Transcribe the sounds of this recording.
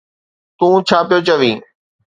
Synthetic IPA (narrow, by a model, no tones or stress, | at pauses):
t̪ũːt͡ɕʰaːpɪjot͡ɕɐʋĩː